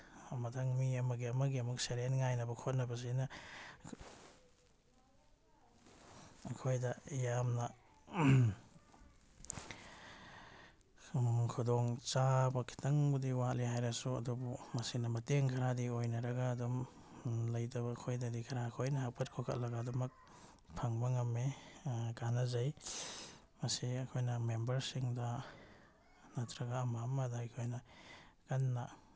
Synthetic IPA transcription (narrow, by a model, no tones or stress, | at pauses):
mɐtʰɐŋmiɐmɐɡiɐmɐɡiɐmuk̚seɾenŋajnɐbɐkʰot̚nɐbɐs̬inɐ | ɐkʰojdɐjamnɐ | kʰudɔŋt͡ʃabɐkʰi̥tɐŋbudiwatlihajɾɐsuɐ̰dubumɐsinɐmɐteŋkʰɐɾadiojnɐɾɐɡaːdɔm | lɐjtɐβakʰojdɐdikʰɐɾaɐkʰojnɐhak̚pʰɐt̚kʰokʰɐ̰t̚lɐɡaːdumɐk̚ | pʰɐŋbɐŋɐmːekanazaj | mɐsiɐkʰojnɐmembɐɾsiŋdɐ | natʰɾɐɡaːmamːɐdajkʰojnɐkɐnːa